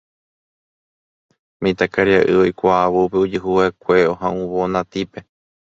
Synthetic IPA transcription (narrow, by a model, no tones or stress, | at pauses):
mĩt̪akaɾiaʔɨojkʷaːβupeud͡ʒɨɦuwakʷe̞oɦãʔũβonãt̪ipe̞